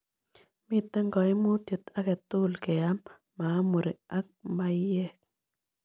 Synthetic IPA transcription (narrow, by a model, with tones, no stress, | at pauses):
mɪ˦t̪ːɛ˦ŋɡɔ˨ɪ˦mo˦t̪jə˨t̪a˦kɛ˨t̪ʊ˦lke˨a˦mː | a˨˦mo˨ɾɪ˨a˦k̚ma˦jɛ˦˨k̚